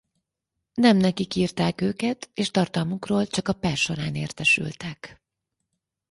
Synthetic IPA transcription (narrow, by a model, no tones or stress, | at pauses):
nɛmnɛkikiːrt̪aːkøːkɛt̪eːʃt̪ɒrt̪ɒlmukroːlt͡ʃɒkɒpɛlʃo̞ɾaːnḛːrt̪ɛʃy̰lt̪ɛk